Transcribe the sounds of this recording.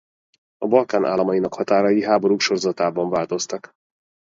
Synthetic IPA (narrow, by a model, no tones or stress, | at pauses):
ɒbɒlkaːnʔa̰ːlɒmɒjinɒkhɒt̪aːɾɒjiɦaːbo̞ɾuːkʃo̞rozɒt̪aːbɒɱvaːlt̪o̞st̪ɒk